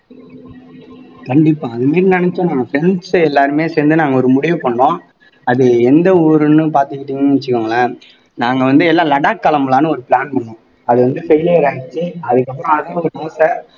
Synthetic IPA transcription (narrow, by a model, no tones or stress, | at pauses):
kɐɳɖɪpːaːɐðɯmeːɾinɪɳɛt͡ʃːõnaːŋɡɐfɾɛɳsɛlːaːɾɯmeːsɛːnd̪ɯnaːŋɡɐɔɾɯmʊɽɪʋɯpɐɳːõː | ɐðɯɛnd̪ɐɔːɾɯnɯpaːɾt̪ɯkːɪʈːiːŋɡɐnɪt͡ʃːɯkːɯŋɡɐɭaː | naːŋɡɐʋɐnd̪ɯɛlːaːlɐɽaːkːɐlɐmlaːnɯɔɾɯpɪɭaːnpɐɳːõː | ɐðɯʋɐnd̪ɯfɛɪleːɾaːɣɪt͡ʃːɯɐðɯkːɐpːɯɾɔ̃ɐðɐɔɾɯnoːsɾɐ